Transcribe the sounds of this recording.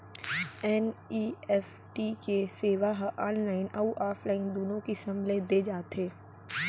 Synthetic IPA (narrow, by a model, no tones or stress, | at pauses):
ɛniːɛːf | ʈikeseːʋaɦʔaːnlaːɪnɐuʔaːfʰlaːɪnd̪oːnõkisɐ̃mled̪ed͡ʒaːt̪eː